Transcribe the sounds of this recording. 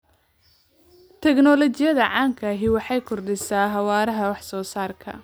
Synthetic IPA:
t̪ʰɛɡnɔlɔt͡ʃɪjɐðɐʕɑːŋkʰɐɦɪwɑħɑjkʰʊrdɪsaːɦɑwaːɾɐɦɐwɑħsɔːsaːrkʰɐ̰

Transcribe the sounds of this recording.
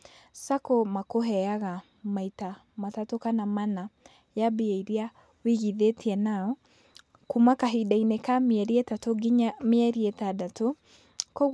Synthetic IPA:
sakomakoɦɛaɣa | maita | matatokanamana | jabieiɾia | wiɣiðetiɛnaɔ | kumakaɦidainekamɛɾietatoɡiɲameɛɾietadato | kɔ

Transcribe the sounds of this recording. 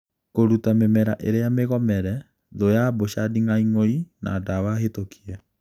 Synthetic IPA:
koɾutamemɛɾaʔeɾejameɣɔmɛɾɛ | ðojaboʃadiŋaiŋoina̰ːdawahetokʰiɛ

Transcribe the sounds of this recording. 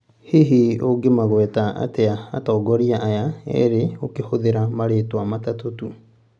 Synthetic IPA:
hiɦioɡemaɣwɛtaa̰tea̰ːtaːɡɔɾiaʔajaɛ̰ɾeokehoðeɾamaɾeːtwamatatotu

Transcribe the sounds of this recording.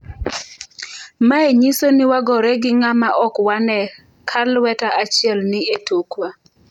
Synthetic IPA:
maeɲisoniwaɡɔɾɛɡɪŋamaʔɔkwanɛ | kʰalwɛtaʔat͡ʃɪɛlnɪetokwa

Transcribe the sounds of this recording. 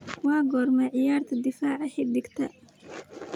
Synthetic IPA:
waːɡɔːɾmɛʕɪjaːɾt̪ʰɐd̪ɪfaːʕaħɪd̪ɪkt̪ʰɐʔ

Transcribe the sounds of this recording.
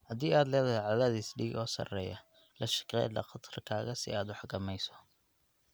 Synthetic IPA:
hɐd̪iːaːd̪lɛːðɐɦɛʕɑðaːðisɖiːɡɔːsɐ̰rɛ̰ːjɐ | lɐʃɪ̥qɛ̰jd̪ɐ̰qɑt̪ʰrkʰaːɣɐsɪ̰aːd̪wɑħɡɐmɛjsɔ̥

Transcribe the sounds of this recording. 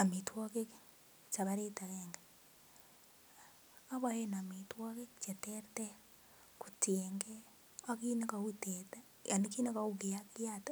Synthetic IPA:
amitwokek | t͡ʃaβaɾetaɣeːŋɡa | aβahenamitwokekt͡ʃeteɾte | ku̥teŋɡe | akinekauteta | anikinekaukejakjata

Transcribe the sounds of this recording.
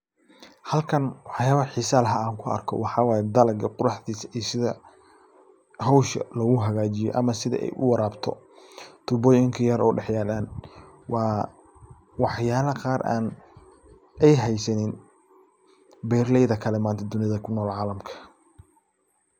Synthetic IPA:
hɐlkʰɐnwɑħjaːβɐħɪsaːlɦɐaːŋkʰʊɐ̰rkʰɔ̰wɑħɑːwɑːjɛd̪ɐlɐɡɐqʊɾɑħdiːsɐ̥ʔisɪðɐ | hɔwʃɐ̰lɐɣʊɦɐɣaːt͡ʃɪjɔ̰ʔɐmɐsɪðɐ̰ʔɛ̰jʔʊ̰wɑɾaːbt̪ʰɔ̰ | t̪ʰʊbɔːjɪŋkʰɐjɐɾɔ̰ːɖɛħjaːlaːn | wɑː | wɑħjaːlɐqɑːɾʔa̰ːn | ɛjɦɛjsɐnɪn | bɛːrlɛjðɐkʰɐlɛmaːnt̪ʰɐd̪ʊnɪðɐkʰʊnːɔːlʕɑːlɐmkʰɐ̥

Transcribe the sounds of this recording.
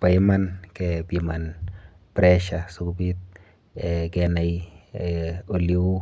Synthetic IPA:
pajmankɛbiman | pɾɛʃasukbit̪̚ | ɡɛnaj | oliw

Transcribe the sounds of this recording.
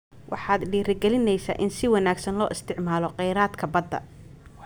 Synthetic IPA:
wʔɑ̰ħɑːd̪ɖiːɾɪɡɛlɪnɛjsa̰ːʔɪnsɪwɑnaːɡsɐnlɔːʔɪst̪ʰɪʕmaːlɔqɛjɾaːd̪kʰɐbɐd̪ːɐ̰

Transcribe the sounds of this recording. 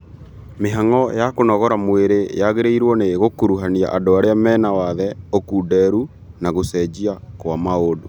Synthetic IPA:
meɦaŋɔjakonɔɣɔɾamweɾejaɣeɾeiɾwɔneɣokuɾuɦania̰ʔadoaɾeamɛːnawaðɛokuːdɛɾu | naɣosɛd͡ʑiakwamaodo

